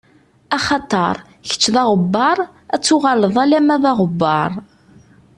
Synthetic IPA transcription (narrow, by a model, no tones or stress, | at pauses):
ɑχɑt̪ˤəɾˤ | çə̥t͡ʃːðɑʁəbːɑɾˤ | æt͡sːʊʁɑləðˤælæmæðɑʁəbːɑɾˤ